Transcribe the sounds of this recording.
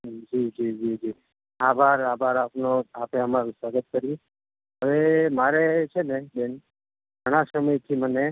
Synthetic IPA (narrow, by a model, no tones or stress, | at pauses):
d͡ʒid͡ʒid͡ʒid͡ʒi | abʱaɾabʱaɾapnoapeəmaɾũswaɡət̪̚kəɾjĩ | əʋemaɾet͡ʃʰeneben | ɡʱəɽ̃asəməjt̪ʰiməne